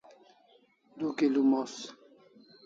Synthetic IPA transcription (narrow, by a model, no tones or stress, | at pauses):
d̪ukelumos